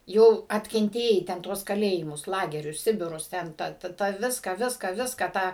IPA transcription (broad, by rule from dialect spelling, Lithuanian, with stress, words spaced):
ˈjɛʊ ɐtʲkʲɛnʲˈtʲeːjɛɪ tʲɛn ˈtuɔs kɐˈlʲeːjɪmʊs ˈlˠɑːɡʲɛrʲʊs ˈsʲɪbʲɪrʊs ˈtʲɛn tɑː tɑː ˈʋʲɪskɑː ˈʋʲɪskɑː ˈʋʲɪskɑː tɑː